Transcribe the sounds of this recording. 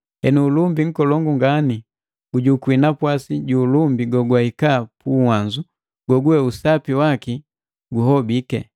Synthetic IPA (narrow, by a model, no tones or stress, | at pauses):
hɛnuːlumbiŋ̩kɔlɔŋɡuŋɡani | ɡuɟukwinapwasiɟuːlumbiɡɔɡwahikapuwaɲd͡ʒu | ɡ̥ɔɡuɛusapiwaki | ɡuɦɔbikɛ